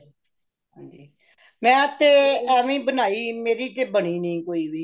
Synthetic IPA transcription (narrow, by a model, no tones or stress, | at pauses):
ɦãːɲd͡ʒiː | mɛ̃ːt̪ːeːəʋĩːbənaːiːmeːɾiːʈebəɳ̃iːnəĩːkoːiːʋiː